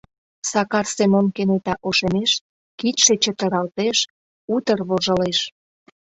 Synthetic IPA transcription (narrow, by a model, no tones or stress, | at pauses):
sɑkɑrsemonkenet̪ɑʔoʃemeʃ | kit̪ʃet͡ɕət̪əɾɑlt̪eʃ | ut̪ərβoʒəleʃ